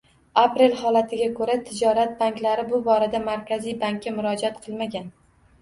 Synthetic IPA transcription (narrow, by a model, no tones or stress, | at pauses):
apɾe̞lhɒlat̪ʰɪɡʲakʰɵɾat̪ʰɪd͡ʒɒɾat̪̚baŋkʲlaɾɪbʊbɒɾad̪amaɾkʲʰazijbaŋkʲːamʊɾɒd͡ʒat̪qʰɨlˠmaɡʲan